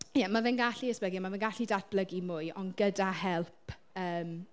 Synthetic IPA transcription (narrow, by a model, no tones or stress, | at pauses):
jɛmavɛnɡaɬiəsb̥ləɡiamavɛnɡaɬidad̚b̥ləɡimʊɨʔɔnɡədahɛlˠppʰ | əːm